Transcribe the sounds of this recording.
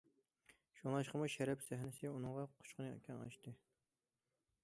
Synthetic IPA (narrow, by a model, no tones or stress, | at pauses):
ʃuŋɑʃqəmuʃɛɾɛpsæɦnɪsɨunɨŋʁɑqʰʊ̥t͡ʃqʊnɨḛkʲʰɛnɑ̰ʃt̪ɨ